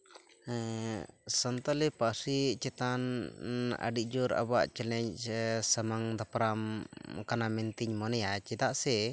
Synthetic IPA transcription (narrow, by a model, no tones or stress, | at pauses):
sənt̪əlɛpasit͡ʃɛt̪an | ə̰ɖiʔd͡ʒuɾa̰ba̰ʔt͡ʃɛlɛɲsəmaŋd̪apɾamkanamɛnt̪iɲmɔnɛjat͡ʃɛd̪aʔsɛ